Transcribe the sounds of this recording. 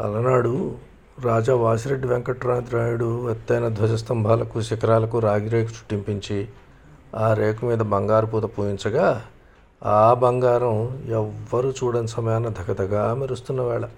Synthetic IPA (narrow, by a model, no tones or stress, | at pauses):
ɐ̰lɐnaːɽu | ɾaːd͡ʒaːʋaːsiɾeɖːiʋeŋkɐʈɾaːnd̪ɾaːjuɽuet̪ːɐjnɐd̪ʋɐd͡ʒɐst̪ɐmbʱaːlɐkuʃikɐɾaːlɐkuɾaːɡiɾeːkut͡ʃu̥ʈːimpiɲt͡ʃi | aːɾeːkumiːd̪ɐbɐŋɡaːɾupuːt̪ɐpuːjiɲt͡ʃɐɡaː | aːbɐŋɡaːɾɐmɛʋːɐɾut͡ʃuːɽɐnsɐmɐjaːnːɐd̪ʱɐɡɐd̪ɐɡaːmiɾust̪unːɐʋɛːɭɐ